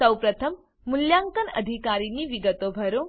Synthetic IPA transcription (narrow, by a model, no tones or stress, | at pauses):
sɐwpɾɐt̪ʰəmː | uljaŋkənɐ̰d̪ʱikaːɾiniʋiɡət̪obʱɐɾo